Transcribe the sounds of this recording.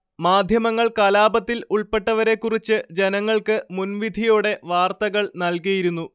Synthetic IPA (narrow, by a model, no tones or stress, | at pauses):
maːd̪ʱjɐmɐŋːɐɭkɐlaːbɐt̪ːiluɭpe̞ʈːɐʋɐɾe̞kːurit͡ɕːɨd͡ʑe̞nɐŋːɐɭkɨmunʋid̪ʱijuːɽe̞ʋaːrt̪ɐɣɐɭnɐlkijiɾunːu